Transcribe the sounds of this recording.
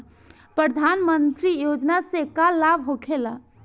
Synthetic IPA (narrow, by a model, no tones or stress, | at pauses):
pɾəd̪ʱanmənt̪ɾijod͡ʒnasekallːabʱɦokʰela